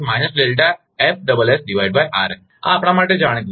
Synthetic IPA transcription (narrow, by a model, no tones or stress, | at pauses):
majnəslelʈa | ef̚ɖəbəlesɖiʋaiɖ̚bajʔa̰ɾ | ã̰ːpɽ̃amaʈːed͡ʑaɽ̃ək